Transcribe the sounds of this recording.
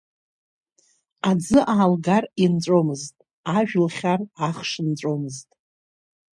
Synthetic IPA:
ad͡zɨʔaːlɡarint͡ʃʷʼomɨztʼ | aʒᶣlχʲaraχʂɨnt͡ɕʷʼomɨztʼ

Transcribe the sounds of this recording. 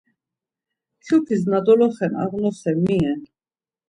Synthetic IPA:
t̪ʰjupʰiznad̪ɔlɔχɛnɑ̰ʁnɔsɛmiɛ

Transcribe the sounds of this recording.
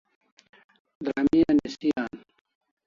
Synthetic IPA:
d̪ɾamijanesijaːn

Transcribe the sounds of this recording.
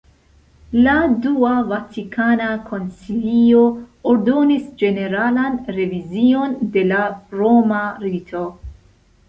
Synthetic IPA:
laduavatikʰanakʰo̞nsilio̞oɾdo̞nisd͡ʒe̞ne̞ɾalanɾe̞vizio̞nde̞laɾo̞maɾitʰo̞

